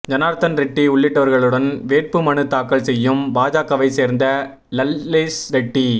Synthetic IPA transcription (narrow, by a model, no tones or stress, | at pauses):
d͡ʒɐnaːɾt̪ɐnɾɛʈːiʊɭːɪʈːɐʋɐɾɣɐɭɯɽɐnʋeːrpɯmɐɳɯt̪ːaːkːɐɭsɛjːɯmbaːd͡ʒaːkɐʋɐɪseːɾnd̪ɐ | lɐlːeːsɾɛʈːi